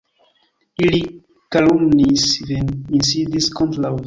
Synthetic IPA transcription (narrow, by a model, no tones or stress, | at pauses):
ili | kalumnisvɛ̃nĩnsid̪iskɔ̃ntlav